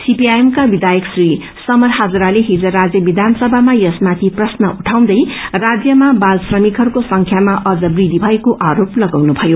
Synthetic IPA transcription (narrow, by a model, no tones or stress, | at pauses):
sipiajemkabid̪ajʌksri | sʌmʌrɦad͡zɾaleɦid͡zʌɾad͡zjʌbid̪ʱansʌbʱamajʌsmat̪ʰiprʌsnʌʔuʈʰaw̃d̪ʌjrad͡zjʌmabalsrʌmikʰʌɾukosʌŋkʰjamaʔʌd͡zʌbrid̪ʱibʱʌekoʔaɾoplʌɡawnubʱʌjo